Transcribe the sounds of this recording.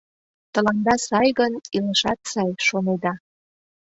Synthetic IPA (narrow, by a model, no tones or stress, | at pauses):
t̪ə̆lɑnd̪ɑsɑjɣəniləʃɑt̪sɑjʃoned̪ɑ